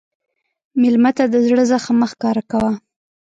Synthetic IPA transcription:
mɪlmat̪ad̪əzɽəzaxaməxkɑɾakawa

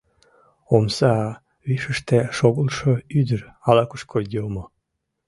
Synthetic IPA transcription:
omsɑ | βiʃəʃt̪eʃoɣəlʃə̆yd̪ərɑlɑkuʃkʰold̪ʲelmo

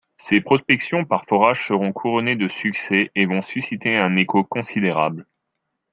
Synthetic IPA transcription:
sepχɔspɛksjɔ̃paʁfɔʁaʒsəʁɔ̃kʰuʁɔned̪əsyksɛevɔ̃sysit̪eɛ̃nekokɔ̃sid̪eʁa̰bl

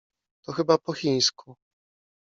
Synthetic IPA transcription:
t̪ɔxɘbapɔxʲij̃skʰu

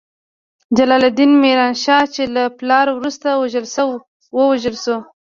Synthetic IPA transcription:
d͡ʒalɑlad̪inmeɾɑnʃɑt͡ʃelaplɑɾwɾust̪awʒəlsaw | wəwaʒəlʃo

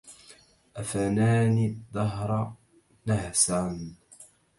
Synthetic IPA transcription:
ʔafanaːnid̪ˤɑɦɾˤɑ | nahsaːn

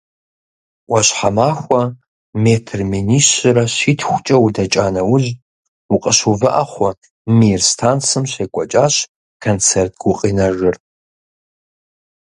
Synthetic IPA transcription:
wɐɕħamaːxʷɐ | meːtʰrmeniɕrɐɕiːtʰxʷʊt͡ʃʼɐwdɐt͡ʃʼaːnɐwʊʑ | uqʼəʃuvɨʔaχʷɔ | mirstʰaːnt͡sɨmɕeːkʷʼɔt͡ʃʼaːɕ | kʰɐnt͡sʰert̚ʰɡ̥ʊqʼinɐʒɨr

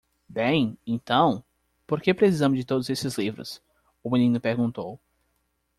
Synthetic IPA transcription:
bẽj̃ẽnt̪ɐ̃w̃ | poɾkepɾesizɐ̃mʊzd͡ʒɪt̪od̪ʊzesɪzlivɾʊ̰s | ʊminĩnʊpeɾɡũnt̪ow

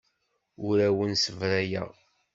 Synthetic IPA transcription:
ʊɾæwənsəvɾæjə̰ʁ

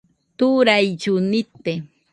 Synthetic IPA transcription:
t̪ʊɾajt͡ʃʊnɪt̪e

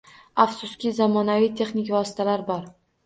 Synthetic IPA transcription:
afsʊskʲizamɒnavijt̪ʰe̞χnɪkʲvɒsɪ̥t̪ʰalaɾbɒɾ

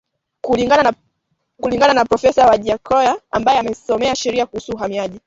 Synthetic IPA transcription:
kuliɡana | kuliŋɡananapɾɔfɛsawaʄiakʰɔjaambajɛamɛsɔmɛaʃɛɾiakuhusuːɦamiaʄi

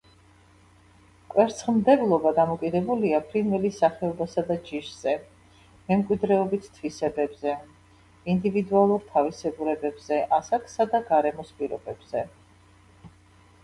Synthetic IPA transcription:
kʼwɛɾt̪sʰχmd̪ɛblˠɔbad̪amɔkʼid̪ɛbuliapʰɾinvɛlisaχɛɔbasad̪ad͡ʒiʃz̥ɛ | mɛmkʼwid̪ɾɛɔbit̪ʰt̪ʰvisɛbɛbzɛ | ind̪ivid̪ualˠuɾt̪ʰavisɛɡuɾɛbɛbzɛʔasakʼsad̪aɡaɾɛmɔspʼiɾɔ̰bɛbz̥ɛ

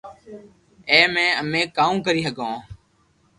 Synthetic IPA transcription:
eːmẽːəmẽːkaːũːkəɾiːsəɠõː

